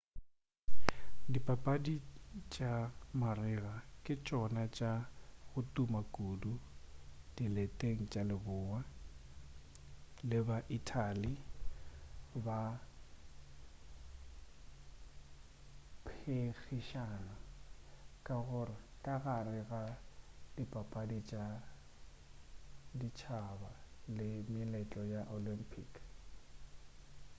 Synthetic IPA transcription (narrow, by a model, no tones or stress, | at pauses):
dipʼapʼadit͡ʃʼamarɪɣakʼɪt͡ʃʼɔnat͡ʃʼaɣʊtʼumakʼudu | d̥iletʼeŋ̩t͡ʃʼalɪbʊːwa | lɪbaʔitʰʼali | ba | pʰeɣiʃana | kʼaɣʊrɪkʼaɣarɪɣa | dipʼapʼadit͡ʃʼa | dit͡ʃʰabalɪmɪlɛt͡ɬʼɔjaʔolimpʰʼik